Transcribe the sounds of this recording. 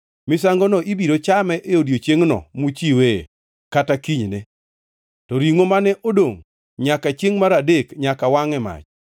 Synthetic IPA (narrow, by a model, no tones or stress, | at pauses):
mɪsaŋɡɔnɔʔibiɾot͡ʃamɛʔeodjot͡ʃjeŋnɔ̰mut͡ʃiwḛ | katakiɲne | tɔɾiŋomanɛʔodoŋ | ɲakat͡ʃeŋmaɾadekɲakawaŋɛma̰t͡ʃ